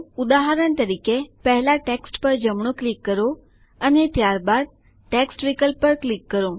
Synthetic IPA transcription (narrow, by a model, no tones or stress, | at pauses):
ud̪aɦaɾəɳt̪əɾikepəɦɛlaʈeksʈpəɾd͡ʒəmɳõklikːəɾo | ənet̪jaɾbad̪̚ | ʈeksʈʋikəlppːəɾklikːəɾo